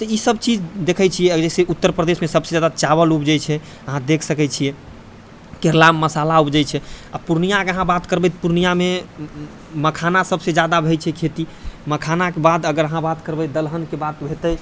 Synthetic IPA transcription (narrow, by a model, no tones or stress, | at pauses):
t̪ɔisəbt͡ʃid͡ʒd̪ekʰət͡ʃʰijɛɛseut̪ːəɾpɾəd̪esmesəbsed͡ʒad̪at͡ʃaβəlupd͡ʒajt͡ʃʰɛ | əɦãd̪ekʰsəkɛt͡ʃʰijɛ | keɾlamːəsalaupd͡ʒəjt͡ʃʰɛapuɾnijakeəɦãbat̪kəɾbɛt̪puɾnijame | məkʰanasəbsed͡ʒad̪abʱəjt͡ʃʰɛkʰet̪iməkʰanakebad̪əɡəɾəɦãbat̪kəɾbɛd̪əlɦənkebat̪bʱet̪ə